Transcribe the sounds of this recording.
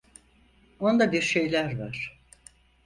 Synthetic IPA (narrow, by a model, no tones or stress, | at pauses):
ond̪abiɾʃe̞jlʲæɾvaɾ̥